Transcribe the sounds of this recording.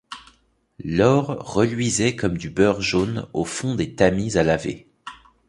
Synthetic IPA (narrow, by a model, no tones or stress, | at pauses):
lɔʁːəlɥizɛkɔmd̪ybœʁʒonofɔ̃d̪et̪amizalavḛ